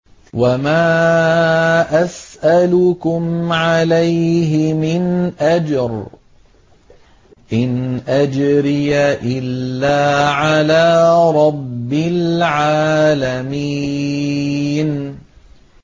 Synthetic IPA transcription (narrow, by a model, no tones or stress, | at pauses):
wamaː | ʔasʔalʊkʊmʕalajɦɪmɪnʔad͡ʒɾ | ʔɪnʔad͡ʒɾɪjaʔɪlːaːʕalaːɾˤɑbːɪlʕaːlamiː | n